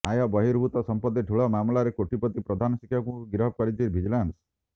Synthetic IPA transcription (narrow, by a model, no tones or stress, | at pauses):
ajɔbɔɦiɾbʱut̪ɔsɔmpɔd̪ːeʈʰuɭɔmamlaɾekoʈipɔt̪ipɾɔd̪ʱanɔsikʰjɔkũɡiɾɦɔb̚kɔɽid͡ʒiɾbʱid͡ʒɔlans